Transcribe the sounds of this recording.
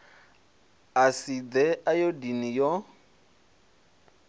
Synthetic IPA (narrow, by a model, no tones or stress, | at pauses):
asid̪ɛʔajodinijɔ